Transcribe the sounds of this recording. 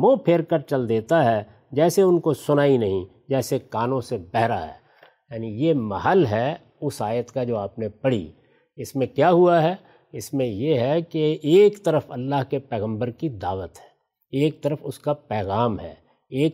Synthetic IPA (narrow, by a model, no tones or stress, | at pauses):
ʋoːpʰeːɾkəɾt͡ʃɐld̪eːt̪aɦɛ | d͡ʒɛːseʊnkosʊnaːinɐɦĩ | d͡ʒɛːsekaːnõsebɛɦɾa̰ɦɛ̰ː | jaːnijemɐɦəlɦɛ | ʊsaːjət̪kad͡ʒoːaːpnepɐɽ̤ḭ | ɪsmẽkjaːɦuaɦɛː | ɪsmẽjeɦɛkeːkt̪ɐɾəfɐlːaːɦkepɛːɣə̃mbəɾkid̪aːʋət̪ɦɛ̥ː | eːk̚t̪ɐɾəfʊskapɛːɣaːmɦɛ̰ː | eːk